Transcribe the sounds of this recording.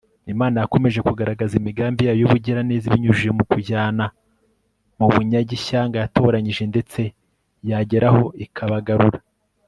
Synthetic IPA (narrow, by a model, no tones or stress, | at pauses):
imaːnajako̞me̞ʒe̞kuɡaɾaɡazimiɡaːmbijaːjojoβuɟiɾaneːziβiɲuʒujemukuɟaːna | muβuɲaɟiʃaːŋɡajato̞ːɾaɲiʒe̞nde̞t͡se̞ | jaɟe̞ɾaho̞ikʰaβaɡaɾuɾa